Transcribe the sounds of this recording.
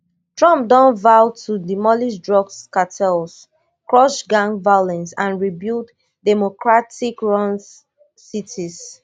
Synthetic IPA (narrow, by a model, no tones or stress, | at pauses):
tɹɔ̃mp̚dɔ̃nvaʊtʰudimɔlisdɹɔɡskatʰɛls | kɹɔʃɡãŋvajlɛ̃nsãnɹibild | dɛmokɹatikɹɔ̃ns | sitis